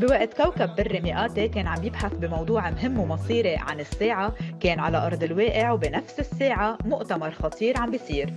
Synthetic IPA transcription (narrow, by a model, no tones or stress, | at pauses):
bɪwaʔt̪kawkabːɪrːimɪʔaːt̪ekeːnʕambjɪbħaθbɪmɑwd̪ˤuːʕmɦɪmːwmɑsˤiːɾeʕa̰nɪsːeːʕakeːnʕalaʔɑɾˤd̪ˤɪlweːʔɪʕwbɪnafsɪsːeːʕamʊʔt̪amɑɾˤxɑt̪ʰˤiːɾʕambijsˤiːɾ